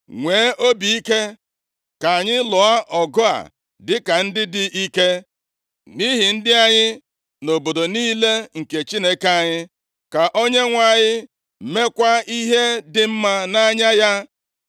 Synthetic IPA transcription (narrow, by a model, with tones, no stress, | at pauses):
ŋʷeː˨˦ʔo˦bi˨i˦ke˦ | ka˨a˨ɲɪ˦lʊ˨a˦ʔɔ˨ɡʊ˦a̰˨ | dɪ˦ka˨n̩˦dɪ˦dɪ˦ʔi˦ke˦ | ni˦ɦi˨n̩˦dɪ˦a˨ɲɪ˦ | no˨bo˨do˨niː˦le˦ŋ̩˨ke˨t͡ʃi˦ne˦ke˨a˨ɲɪ˦ | ka˨ʔo˦ɲe˦ŋʷa˨ɲɪ˦˨ | me˦kʷa˦i˦ɦe˦dɪ˨m̩˦ma˦na˦ɲa˦ja˦